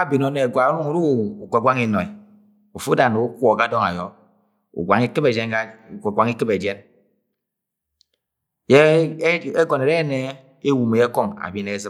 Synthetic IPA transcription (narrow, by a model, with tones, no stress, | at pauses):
a˦bi˨no˦ne˨ɡa˨˦u˦ŋu˨˦ɾu˦˨u˨kʷe˨ɡʷa˦ŋi˨no˨i˨ | u˨fu˦da˨no˨u˦kʷɔ˨ka˦dɔ˦ŋa̰˨jɔ˨˦ | ṵ˨ɡʷa˨ŋi˦kɨ˦be˨d͡ʒe˦na˦˨ɡʷa˨ŋi˦kɨ˦be˨d͡ʒje˦n | je˦ | e˦ɡɔ˨ne˨ɾe˦ne˦ | e˦wu˨me˨je˦kɔ˦ŋa̰˨bi˦ne˨˦zɨ˦